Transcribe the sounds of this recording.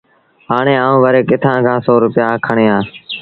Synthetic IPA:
ɦaːɳeːaːũːʋəːɾeːkɪt̪ʰãːkʰãːsɔːɾʊpɪjaːkʰəɳeːãː

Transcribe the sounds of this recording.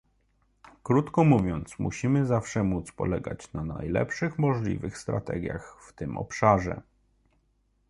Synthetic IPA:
kɾut̪kɔmuvʲjɔnt̪smuɕimɘzafʂɛmut̪spɔ̰lɛɡa̰t͡ɕnana̰jlɛ̰pʂɘxmɔʐlʲḭvɘxst̪ɾat̪ɛɡʲjaxft̪ɘmʔɔ̰pʂaʐɛ̰

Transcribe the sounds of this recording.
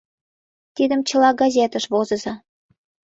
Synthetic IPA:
t̪id̪əmt͡ɕəlɑɡɑzʲet̪əʃβozə̆zɑ

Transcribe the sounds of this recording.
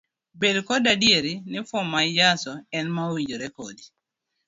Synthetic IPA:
bedkɔdadieɾinɪfʊmad͡ʒasɔɛnmawiɲd͡ʒoɾɛkodi

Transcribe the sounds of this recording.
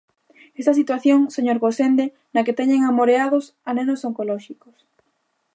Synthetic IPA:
est̪ɐsit̪waθjoŋseɲoɾɣosend̪e | nɐket̪ɛɲeŋamoɾeaðʊs | anenosoŋkolɔʃikʊs

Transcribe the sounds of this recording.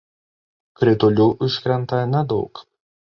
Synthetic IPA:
kɾʲɪt̪ʊlʲuːʔʊʃʲkʲɾʲɛnˑt̪ɐnʲɛd̪ɒʊk

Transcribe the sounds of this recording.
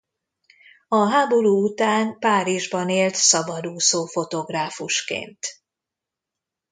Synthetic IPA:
ɒɦaːbo̞ɾuːut̪aːnpaːɾiʒbɒneːlt̪sɒbɒd̪uːsoːfo̞t̪o̞ɡraːfuʃkḛːnt̪

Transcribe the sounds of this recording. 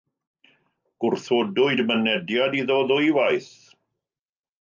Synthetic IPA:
ɡ̥ʊrθodʊɨdmənɛdjadiðɔðʊjwajθ

